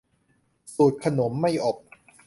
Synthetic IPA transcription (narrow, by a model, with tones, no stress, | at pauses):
suː˨˩t̪̚kʰa˧no˩˦mːa˥˩jʔo˨˩p̚